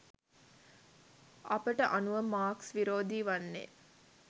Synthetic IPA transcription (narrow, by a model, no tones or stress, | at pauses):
ʔɐpəʈəʔanuʋəmaːksʋiɾoːd̪iːʋanːḛː